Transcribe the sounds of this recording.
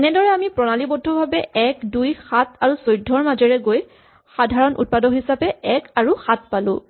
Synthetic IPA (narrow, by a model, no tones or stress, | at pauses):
ɛnɛdɔɹɛamipɹɔnalibɔdʱɔbʱabɛɛkdujxataɹusojdʱːɔɹmazɔɹɛɡoj | xadʱaɹɔnʔṵt̚padɔɦisapɛɛkaɹuxat̚palʊ̰̃